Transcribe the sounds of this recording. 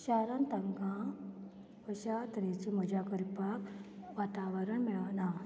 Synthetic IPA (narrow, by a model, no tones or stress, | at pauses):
ɕaɾant̪aŋɡã | ʋəɕat̪əɾet͡ɕiməd͡ʑakəɾipakʋat̪aʋəɾəɳmɛɭana